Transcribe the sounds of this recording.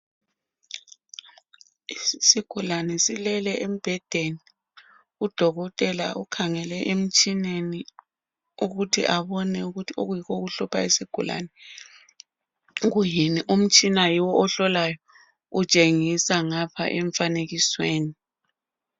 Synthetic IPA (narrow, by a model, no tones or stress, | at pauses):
isiɡ̥ʱulanɛsilɛlɛʔem̩b̥ʱɛd̥ʱeni | ud̥ʱɔɣɔtʼɛla̰ʔukʰaŋɛlɛʔem̩t͡ʃʼineni | uɣutʰḭʔaβɔnɛuɣutʰioɣujikoɣuɬɔpʰaesiɡ̥ʱula̰nɛ | ɣujiniʔum̩t͡ʃʼinajiwɔʔɔɬɔlajɔ | ut͡ʃʼeŋisaŋapʰa̰ʔɛɱfaneɣisweːni